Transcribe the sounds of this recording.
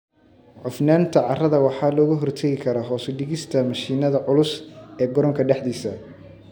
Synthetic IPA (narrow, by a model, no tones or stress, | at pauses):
ʕʊfnaːnt̪ʰɐʕɑrɐðɐwɑħɑːlɔːɣʊɦɔrt̪ʰɐɣɪkʰɐɾɔːɦɔːsɪɖɪɣɪst̪ʰɐmɐʃiːnɐðɐʕʊlʊsɛːɡɔɾɔŋkʰɐɖɛħd̪iːsɐ